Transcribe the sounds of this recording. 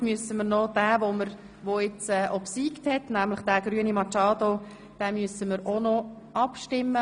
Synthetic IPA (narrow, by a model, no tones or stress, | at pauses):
myəsəməɾnod̥æːvoməɾ | ʋoɪt͡sɛːʔobsiːkthɛtnæmləχd̥æːɡ̥ɾyənimɑt͡ʃɑːdo | d̥ɛmyəsəməɾonɔ | ʔɑpʃtɪmːə